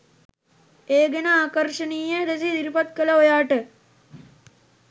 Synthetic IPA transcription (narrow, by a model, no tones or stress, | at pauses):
eːɡenɐaːkɐɾʂɐniːjed̪es̬id̪iɾipɐt̪̚kɐlɐɦojaːʈə